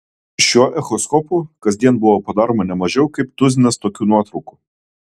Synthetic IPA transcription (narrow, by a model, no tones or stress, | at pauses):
ʃʲuɔʔɛxɔskɔpuːkɐzʲd̪ʲiɛnbʊʋɔpɐd̪ɑːɾoːmɐnʲɛmɐʒʲɛʊkɐɪpt̪ʊzʲɪnʲɛst̪oːkʲuːnuɔt̪ɾʊku